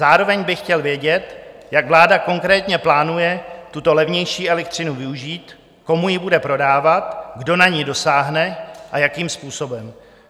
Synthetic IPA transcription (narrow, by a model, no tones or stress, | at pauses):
zaːɾo̞vɛɲbɪxcɛlvjɛɟɛt̪ | jaɡvlaːdako̞ŋkɾɛːt̪ɲɛplaːnujɛt̪ut̪o̞lɛvɲɛjʃiːʔɛlɛk̚t̪r̝̥ɪnuvɪuʒiːt̪ | ko̞mujɪbudɛpɾo̞daːvat̪ɡdo̞naɲido̞saːɦnɛʔajakiːmspuːso̞bɛm